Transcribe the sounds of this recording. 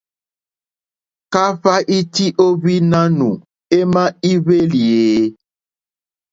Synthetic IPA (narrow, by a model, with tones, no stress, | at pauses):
ka˦ɸa˦ʔi˦ti˦ʔo˦βi˦nã˦nũ˨ | e˦mã˦i˦βe˦li˨e˨